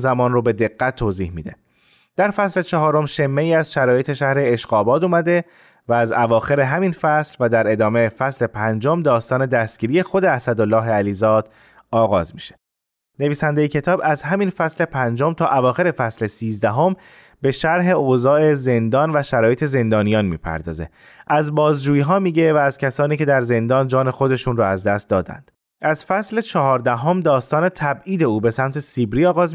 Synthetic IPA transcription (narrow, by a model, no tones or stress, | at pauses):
zæmɒːnrobe̞d̪e̞ɣːæt̪ʰːoːziːhmḭd̪e̞̰ | d̪̥æɾfæsle̞t͡ʃʰeɦɒːɾo̞mʃemːeiːæzʃæɾɒːje̞t̪ʰe̞ʃæhɾe̞ːʃɢɒːbɒːd̪uːmæd̪e̞ | væːzævɒːxe̞ɾe̞ɦæminfæslvæd̪æɾe̞d̪ɒːme̞fæsle̞pʰænd͡ʒomd̪ɒːst̪ɒːne̞d̪æst̪ɡɟiːɾije̞xo̞d̪e̞æsæd̪olːɒːɦeæliːzɒːd̪̥ | ɒːɣɒ̰ːzmiʃe̥ | ne̞viːsænd̪ejecʰe̞t̪ʰɒːbæzɦæminfæsle̞pʰænd͡ʒo̞mt̪ʰɒːʔævɒːxe̞ɾe̞fæsle̞siːzd̪æɦo̞m | be̞ʃæɾɦe̞ozɒːe̞ze̞nd̪ɒːnvæʃæɾɒːjet̪ʰe̞ze̞nd̪ɒːnijɒːnmḭːpʰæ̰ɾd̪ɒ̰ːze̞̰ | ʔæzbɒːzd͡ʒuːjiːɦɒːmiːɟe̞væːz̥cʰæsɒːniːcʰe̞d̪æɾze̞nd̪ɒːnd͡ʒɒːne̞xo̞d̪e̞ʃuːnrɔæzd̪æst̪̚d̪ɒːd̪æ̰nd̪̥ | ʔæzfæsle̞t͡ʃʰɒɦɒːɾd̪æɦo̞md̪ɒːst̪ɒːne̞t̪ʰæbiːd̪e̞uːbe̞sæmt̪ʰe̞sibɾiːɒːɣɒːz